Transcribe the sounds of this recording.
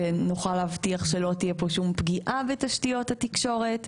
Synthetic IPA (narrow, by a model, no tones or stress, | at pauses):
enuχalavtiaχʃelo̞tijepo̞ʃumpɡiʔʔavetaʃtijo̞thatikʃo̞ʁe̞t